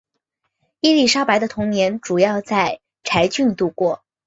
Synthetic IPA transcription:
i˥li˥˩ʂa˥ʊpa˧˥ɪd̪ə˧t̪ʰʊ˧˥ŋnjɛ˧˥nʈ͡ʂu˨˩jɑ˥˧ʊt͡sa˥˩ɪ | ʈ͡ʂʰa˧˥ɪt͡ɕy˥˧nt̪u˥˧kwɔ˥˩

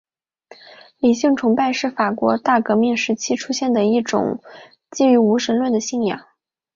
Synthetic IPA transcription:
li˨˩ɕi˥˩ŋʈ͡ʂʰʊ˧˥ŋpa˥˧ɪʂɻ̩˥˩fa˨˩kwɔ˧˥t̪a˥˩kɤ˧˥mi˥˩ŋʂɻ̩˧˥t͡ɕʰi˥ʈ͡ʂʰu˥ɕjɛ˥˩nd̪ə˩i˥˩ʈ͡ʂʊ̰˨˩˦ŋ | t͡ɕi˥˩y˧˥u˧˥ʂə˧˥nlwə˥˩nd̪ə˩ɕi˥˩ŋjɑ̰˨˩˦

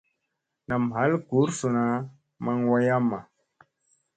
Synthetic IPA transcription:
na˨mɦa˨˦lku˨˦ɾsu˨na˨˦ | ma˦ŋwa˦ja˦mːa˨

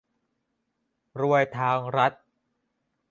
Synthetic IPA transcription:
ɾu˧əjt̪ʰaː˧ŋɾa˦˥t̪̚

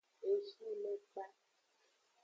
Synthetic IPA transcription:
e˨si˦le˦k͡pa˦

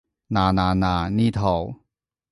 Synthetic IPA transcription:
naː˨˩naː˨˩nãː˨˩ni˦˧˨t̪ʰɔ˨˩w

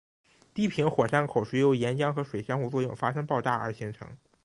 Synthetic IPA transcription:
t̪i˥˩pʰi˧˥ŋxwɔ˨˩ʂa˥˩ŋkʰo˨˩ʊʂɻ̩˥˩jo˧˥ʊjɛ˧˥nt͡ɕjɑ˥ŋxɤ˧˥ʂwe˨˩ɪɕjɑ˥ŋxu˥˧t͡swɔ˥˧jʊ˥˩ŋfa˥ʂɤ˥ŋpɑ˥˧ʊʈ͡ʂa˥˩ə̰˞˧˥ɕi˧˥ŋʈ͡ʂʰɤ̰˧˥ŋ

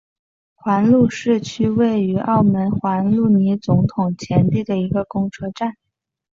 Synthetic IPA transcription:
xwa˧˥nlu˥˧ʂɻ̩˥˩t͡ɕʰy˥we˥˩ɪy˧˥ʔɑ˥˩ʊmə˧˥nxwa˧˥nlu˥˩ni˧˥t͡sʊ˧˥ŋt̪ʰʊ˨˩ŋt͡ɕʰjɛ˧˥nt̪i˥˩d̪ə˩i˧˥ɡə˧kʊ˥ŋʈ͡ʂʰɤ˥ʈ͡ʂa˥˩n

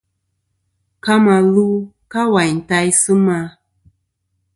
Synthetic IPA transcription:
ka˦ma˨lu˦ | ka˦wa˨jn̩˨ta˦jsɨ˦ma˦

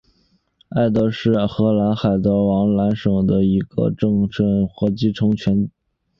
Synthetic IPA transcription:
a˥˩ɪt̪ɤ˧˥ʂɻ̩˥˩xɤ˧˥la˧˥nxa˨˩ɪt̪ɤ˧˥wɑ˧˥ŋla˧˥nʂɤ˨˩ŋd̪ə˦i˧˥ɡ̥ə̰˧ʈ͡ʂɤ˥˧ŋʈ͡ʂɤ˥˩ŋxɤ˧˥t͡ɕi˥ʈ͡ʂʰɤ˧˥ŋt͡ɕʰɥɛ˧˥n

